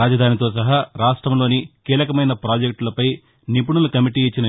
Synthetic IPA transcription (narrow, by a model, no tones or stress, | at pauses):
aːd͡ʒɐd̪ʱaːnit̪oːs̬ɐɦaːɾaːʂʈɾɐmlo̞ːnikiːlɐkɐmɐjnɐpɾaːd͡ʒek̚ʈlɐpɐj | nip̬uɳulɐkɐmiʈiːt͡ʃːinɐ